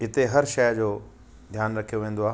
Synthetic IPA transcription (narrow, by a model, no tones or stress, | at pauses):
ɪt̪eɦɐɾʃɐjd͡ʑoː | d̪ʱjaːnɾɐkʰijoʋẽːn̆d̪oaː